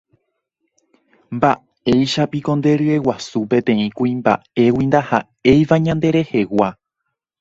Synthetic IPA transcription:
mba | e̞jʃapiko̞nd̪e̞ɾɨe̞wasupẽ̞t̪ẽ̞ĩkuĩmba̰e̞wind̪aha̰ | e̞jʋaɲãnd̪e̞ɾe̞he̞wa

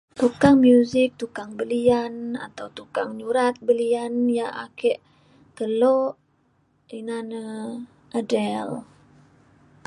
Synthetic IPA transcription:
t̪ukaŋmjuzɪk̚t̪ukaŋbəliana̰t̪awt̪ukaŋɲuɾat̪̚bəlianjaʔa̰kɛʔ | t̪əloʔ | inanə | ʔadɛl

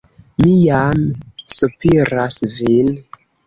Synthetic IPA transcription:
mijamsupiɾasvil

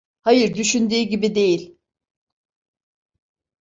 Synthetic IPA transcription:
hajɯɾd̪yʃynd̪yːɟibid̪e̞jilʲ

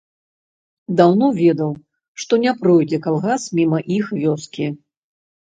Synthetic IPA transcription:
d̪awnɔvʲɛd̪ɐw | ʂt̪ɔnʲɛpɾɔjd͡zʲɛkalˠɣasmʲimɐʔixvʲɔskʲi

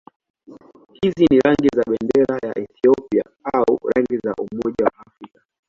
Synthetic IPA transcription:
hiziniɾaŋɡizaɓɛndɛɾajaʔɛθiɔpia̰ | auɾaŋɡiza̰ʔumɔʄawa̰ːfɾikḁ

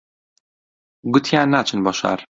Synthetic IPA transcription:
ɡut̪ʰjanat͡ʃʰɨnbɔʃa̰ɾ

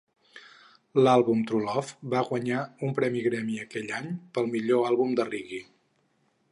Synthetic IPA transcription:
lalˠβumt̪ɾulɔfbaɣwəɲaumpɾɛmiɣɾɛmiəkɛʎaɲpəlˠmiʎoalˠβumd̪əriɣi

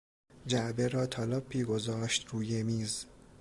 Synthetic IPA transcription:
d͡ʒæʔbe̞ɾɒːt̪ʰɒːlɒpʰːiːɡo̞zɒːʃt̪ɾuːjemiːz

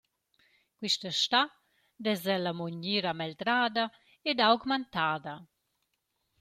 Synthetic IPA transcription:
kwiʃtəʃta | d̪ɛzɛlamoɲiɾamɛld̪ɾaːd̪a | ɛdawɡmant̪aːd̪a

